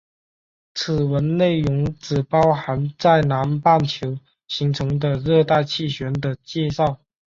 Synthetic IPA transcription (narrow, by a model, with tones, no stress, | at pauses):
t͡sʰɹ̩˨˩wə˧˥nne˥˩ɪɻʊ˧˥ŋʈ͡ʂɹ̩˨˩pɑ˥ʊxa˧˥nt͡sa˥˩ɪna˧˥npa˥˩nt͡ɕʰjo˧˥ʊ | ɕi˧˥ŋt͡sʰɤ˧˥ŋd̪ə˧ɻɤ˥˧t̪a˥˧ɪt͡ɕʰi˥˩ɕɥɛ˧˥nd̪ə˧t͡ɕjɛ˥˧ʂɑ˥˩ʊ